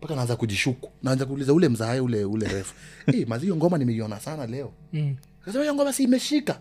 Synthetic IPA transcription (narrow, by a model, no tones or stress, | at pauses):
mpakanaanzakuʄiʃuku̥naanzak̬uːlizaulɛm̩zaajɛulɛulɛɾɛfu̥ɛmazhijɔŋɡɔmanimɛiɔnasanalɛɔ | akasɛmahijɔŋɡɔmaasiːmɛʃika